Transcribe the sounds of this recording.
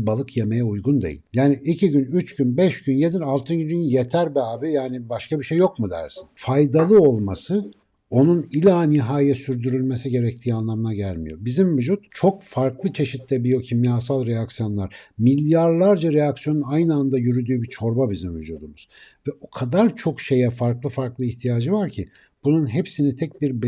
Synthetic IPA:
balˠɯkʰje̞me̞jɛujɡund̪e̞̰jḭlʲjaːniicʰiɟynyt͡ʃɟynbɛʃɟynje̞d̪inalˠt̪ʰɯnd͡ʒyynje̞t̪ʰæɾbɛaːbjaːnibaʃkabiʃe̞jːo̞kmud̪æ̰ɾsi̥nfajd̪alˠɯo̞lˠmasɯ | o̞nunilʲaːniɦaːjɛsyɾd̪yɾylʲme̞siɟe̞ɾɛc̚t̪ʰiːanlˠamɯnaɟælʲmḭjo̞̰bizimvyd͡ʒut̪t͡ʃʰo̞kfaɾklˠɯt͡ʃʰe̞ʃit̪lʲɛbijo̞cʰimjaːsalˠɾejaksjo̞nlˠaɾ̥milʲjaɾlˠaɾd͡ʒaɾejaksijo̞nunajnɯand̪ajyɾyd̪yːbit͡ʃʰo̞ɾbabizimvyd͡ʒuːd̪umuz̥vɛokʰad̪aɾt͡ʃʰo̞kʃe̞jɛfaɾklˠɯfaɾklˠɯiçt̪ʰijaːd͡ʒɯvaɾcʰi | b̥ununɦepsinit̪ʰɛc̚biɾb

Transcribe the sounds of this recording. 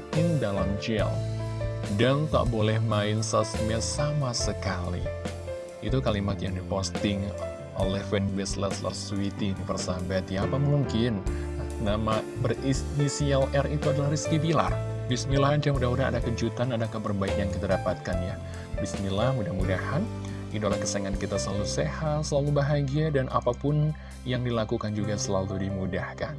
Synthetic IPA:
t̪ɪŋdalamd͡ʒɛ̰l | dant̪a̰ʔbolɛhmaɪnsasmɛlsamasəkalḭ | it̪ukalimat̪jaŋdipost̪ɪŋ | ʔo̰lɛhfɛnbɛslɛslə̰rsuit̪inpərsabat̪jaːpamuŋkɪnnama | bərisnisialʔɛrit̪uadalahriskibila̰rbisnilaɦand͡ʒamudahmudaa̰dakəd͡ʒut̪anadakəbərbaikjaŋkit̪adapat̪̚kanja | bisnilahmudahmudahan | idolahkəseŋankit̪asəlalusehat̪səlalubaɦaɡiadanʔa̰papʊn | jaŋdilakukand͡ʒuɡasəlaludimudahkan

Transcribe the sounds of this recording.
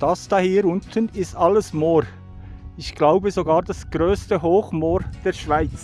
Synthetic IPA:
d̥ɑsd̥ɑhiːɾʊntʰənɪstɑləsmoːɾ | ɪçɡ̥laʊbəzoɡɑːɾdɑsɡ̥ʁøːstəɦoːχmoːɾd̥eːɾʃv̥aɪt͡s

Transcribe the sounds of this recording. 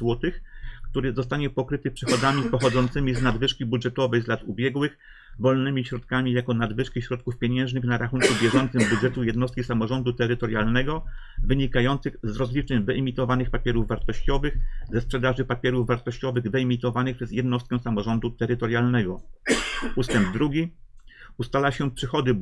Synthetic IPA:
zwɔt̪ɘxkt̪uɾɘzɔst̪aɲɛpɔkɾɘt̪ɘpʂɘxɔd̪zamʲipɔxɔd̪zɔnt̪sɘmʲiznad̪vɘʂkʲibudʐɛt̪ɔvɛjzlat̪ubʲjɛɡwɘx | vɔlnɘmʲiɕɾɔt̪kamʲijakɔnad̪vɘʂkʲiɕɾɔt̪̚kufpʲjɛɲɛ̃w̃ʐnɘxnaɾaxuŋkubʲjɛʐɔnt̪sɘmbudʐɛt̪ujɛd̪nɔst̪̚kʲisamɔʐɔnd̪ut̪ɛɾɘt̪ɔɾjalnɛɡɔ | vɘɲikajɔnt̪sɘɣzɾɔzlʲit͡ʂɛɲvɘimʲit̪ɔvanɘxpapʲjɛɾuvvaɾt̪ɔɕt͡ɕɔvɘxzɛspʂɛd̪aʐɘpapʲjɛɾuvvaɾt̪ɔɕt͡ɕɔvɘɣd̪ɛimʲit̪ɔvanɘxpʂɛzjɛd̪nɔst̪kɛw̃samɔʐɔnd̪ut̪ɛɾɘt̪ɔɾjalnɛɡɔ | ust̪ɛmb̚d̪ɾuɡʲi | ust̪alaɕɛpʂɘxɔd̪ɘ

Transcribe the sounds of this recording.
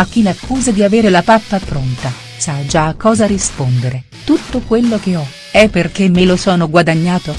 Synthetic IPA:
akːilakʰːuːzad̪iaveːɾelapapːapɾont̪a | sad͡ʒaːkːɔːzaɾispond̪eɾe | t̪ut̪ːokwelːokeɔ | ɛpːerkemelosɔːnoɡwad̪aɲːaːt̪o

